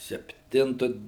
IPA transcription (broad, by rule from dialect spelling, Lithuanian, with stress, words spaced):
sʲɛpʲˈtʲɪntʊ